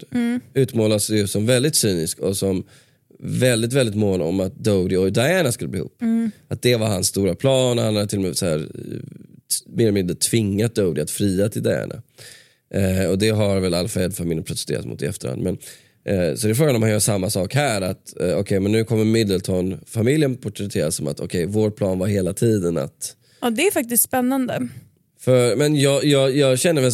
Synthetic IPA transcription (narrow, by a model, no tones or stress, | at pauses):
ʉ̟ːt̪mɑːlasjɵsɔmvɛld̪ɪt̪syːnɪskɔsɔm | vɛld̪ɪt̪vɛld̪ɪt̪moːnɔ̰mat̪̚d̪od̪ɪɔd̪aɛːnaskɵlːb̪iːhṵːpːat̪̚d̪ɛvaɾɦansːt̪uːɾapʰlɑːnhanhaʈʰɪlːɔmɛsɔæ̰ːɾ | mɪd̪əmɪd̪ət̪ʰvɪŋːat̪̚d̪əʊd̪ɪat̪fɾiːat̪ʰɪld̪aɛ̰ːnʔa̰ | ɔd̪ɛɦaɾvɛlalːfaɛd̪famɪljənpʰɾʊt̪ɛ̥st̪ḛːɾat̪mʊ̰t̪ːɪɛ̰ft̪əɾha̰nd̪mɛn | sɔd̪ɛɪfɾoːɡanɔmhanjœːʂamːasɑːkhæːɾat̪ɔkʰɛjmɛnːʉ̟ːkʰɔmːəɾmɪd̪ːəlt̪ʰɔnfamɪljənpʰɔʈɾɛt̪ʰeːɾasɔma̰t̪ʰɔ̰kʰɛjvoːʈ̚pʰlɑːnvaɾheːlat̪ʰiːd̪əna̰t̪ | ɑd̪ɛæɾfak̚t̪ɪst̪spɛnːand̪ə | fœɾmɛnjɑːjɑːjɑːɡɕɛnːəɾvɛ